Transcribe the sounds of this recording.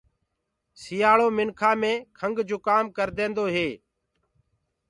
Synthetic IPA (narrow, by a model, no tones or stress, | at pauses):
sɪjaːɭoːmɪnkʰãːmẽːkʰəŋɡd͡ʒoːkaːmkəɾd̪ẽːnd̪oːɦeː